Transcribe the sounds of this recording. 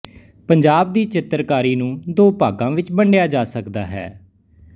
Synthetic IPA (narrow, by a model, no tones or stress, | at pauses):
pəɲd͡ʒaːb̚d̪iːt͡ʃɪt̪ɾkaːɾiːnũːd̪oːpaːɡãːʋɪt͡ʃbəɳɖɪjaːd͡ʒaːsəkd̪aːɦɛ̰ː